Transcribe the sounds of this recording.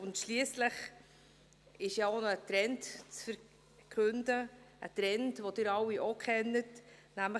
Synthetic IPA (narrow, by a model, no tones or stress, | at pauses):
ʊntʃliəsləχ | ɪʃjɑonɔət̪ɾɛntt͡sfəɾ | kʰʉndəʔə̰t̪ɾɛntvod̥ɪɾɑwiʔokʰχɛnətnæmlə